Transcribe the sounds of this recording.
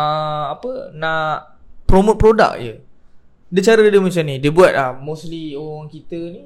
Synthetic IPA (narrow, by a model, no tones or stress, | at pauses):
əapənãʔ | pɾomõt̪̚pɾoda̰k̚jə | dət͡ʃaɾədəmat͡ʃamnĩdiəbuat̪̚lahmoslioɣaŋkit̪əni